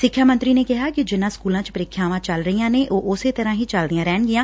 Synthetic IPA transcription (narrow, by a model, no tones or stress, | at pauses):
sɪkʰːjaːmə̃nt̪ɾiːneːkɪɦaːkɪd͡ʒɪnãːskuːlãːt͡ʃpəɾɪːkʰːjaːʋãːt͡ʃəlɾəijãːnẽʔoːʔʊset̪əɾãːɦiːt͡ʃəld̪ɪjãːɾɛːɳɡɪjãː